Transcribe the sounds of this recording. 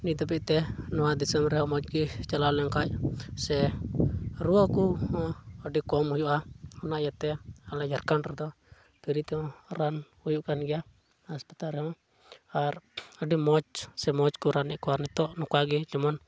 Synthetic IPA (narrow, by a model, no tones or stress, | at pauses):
nid̪ɔpiʔt̪ɛnɔwad̪isɛmɾɛɦɔmɔt͡ʃɡit͡ʃalalɛŋkajsɛ | ɾuɔkuhɔːɖikɔmujuʔahunaʔjat̪ɛalajarkanrɛd̪ɔ | piɾit̪ɛɔran | ujuʔkanɡia | aspat̪aɾɛɔ | aradimɔt͡ʃsɛmɔt͡ʃkuɾanikuarnit̪ɔʔnukaɡid͡ʒɔmɔn